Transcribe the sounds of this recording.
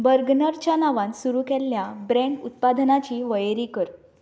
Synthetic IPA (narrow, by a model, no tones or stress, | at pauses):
bəɾɡnəɾt͡ɕjanaʋãnsuɾuːkɛlːjabɾɛ̃ɳɖut̪̚pad̪ʱnat͡ɕiːʋəjɾiːkəɾ